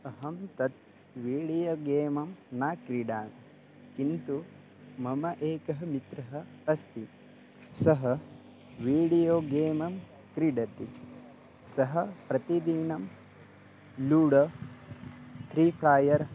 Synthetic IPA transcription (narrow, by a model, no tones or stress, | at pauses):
ɐɦɐmt̪ɐt̪̚ | ʋiːɽijoːɡeːmɐmnaːkɾiɖaːn | kint̪u | mɐmɐʔeːkɐɦɐmit̪ɾɐɦɐ̆ | ɐst̪ʰi | sɐɦɐ | ʋiːɽijoːɡeːmɐm | kɾiɖɐt̪i | sɐɦɐpɾɐt̪id̪inɐm | luːɽɐ | t̪ʰɾiːpʰɾaːjɐɾ